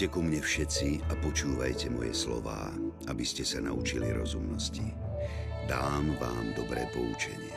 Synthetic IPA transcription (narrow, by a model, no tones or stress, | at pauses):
ɛkɔmɲɛfʃɛt͡siapɔt͡ʃuːʋajcɛmɔjɛ̰slɔ̰ʋa̰ːʔabiscɛsanaut͡ʃiliɾɔzumnɔsci | d̪aːmʋaːmd̪ɔbɾɛːpɔut͡ʃɛɲɪɛ